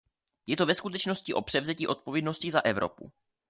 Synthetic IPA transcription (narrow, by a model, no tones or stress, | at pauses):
jɛt̪o̞vɛskut̪ɛt͡ʃno̞scɪʔo̞pr̝̥ɛvzɛciːʔo̞t̪̚povjɛdnoscɪzaʔɛvɾo̰pṵ